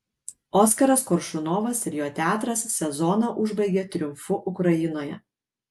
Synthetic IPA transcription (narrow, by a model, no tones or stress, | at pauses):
oːskɐɾɐskɔɾʃʊnoːʋɐsɪɾʲjoːt̪ʲæːt̪ɾɐsːʲɛzɔnɑʔʊʒbɐɪɡʲeːt̪ʲɾʲʊmfʊʔʊkɾɐjɪnoːjɛ